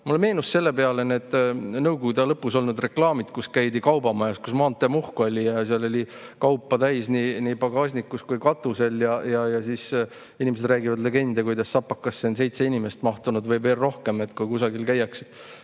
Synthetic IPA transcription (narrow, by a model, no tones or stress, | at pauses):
muleme̞ːnusse̞lːe̞pe̞ɑlened̪̥nɤwɡ̥oɡud̪ɑlɤpːˑuso̞lnud̪re̞klɑːmid̪̥kuskæjd̪ikɑwbɑmɑjɑskusmɑːnt̪ːˑemuhkolʲijɑseɑlo̞lʲikɑwpːˑɑt̪æjsninipɑɡ̥ɑːsʲnikːuskujkɑt̪ːˑuse̞ljɑjɑjɑsiːs | inʲimesed̪ræːɡivɑd̪le̞ɡe̞nd̪ekujd̪ɑsːɑpːɑkːɑsːense̞jt̪se̞inime̞st̪mɑht̪unud̪vɤjve̞ːlːo̞hke̞me̞t̪kujkusɑɡilkæjːɑkset̪ːˑ